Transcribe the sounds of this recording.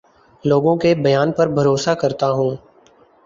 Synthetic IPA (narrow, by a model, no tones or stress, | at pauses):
loːɡõkebɐjaːnpɐɾbʱɐɾoːsakɐɾt̪aɦũː